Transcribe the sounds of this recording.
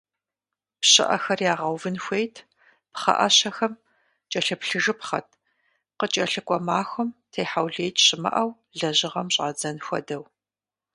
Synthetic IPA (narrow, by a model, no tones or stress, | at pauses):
pɕɪ̰ʔɐ̰xɐrjaːʁɐwvɨnxʷejtʰ | pχɐ̰ʔɐ̰ɕɐxɐm | t͡ʃʼɐɬɨpɬɨʒɨpχɐtʰ | qət͡ʃʼɐɬɨkʷʼɔmaːxʷʊmtʰejħawɮejtʰɕɪmɐ̰ʔɐw | ɮɐʑɪʁɐmɕʼa̰ːd͡zɐnxʷɔ̰dɐw